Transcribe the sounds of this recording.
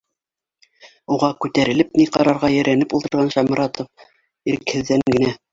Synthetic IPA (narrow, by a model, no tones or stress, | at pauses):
uʁɑkʉt̪æɾɘ̆lɘpniqɑɾɑɾʁɑjæ̆ɾænɘpulˠt̪ɤ̆ɾʁɑnʃɑmɾɑt̪of | iɾkhɘ̆ðːæŋɡɘ̆næ